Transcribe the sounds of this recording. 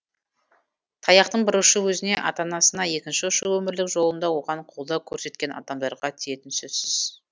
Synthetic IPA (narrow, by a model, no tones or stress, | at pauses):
t̪ʰɑjɑqt̪əɴbɪɾʊʃəwɵzɪne̞ʔɑ̰t̪ɑnɑsənɑje̞kʲɪnʃɪʊʃəwɵmɪɾlɪkʒo̞lˠənd̪ɑwo̞ʁɑɴqʰolˠd̪ɑkʲʰɵɾse̞t̪̚kʲe̞nɑ̰t̪ɑmbeɾʁɑt̪ʰije̞t̪ɪnsɵzsɪz̥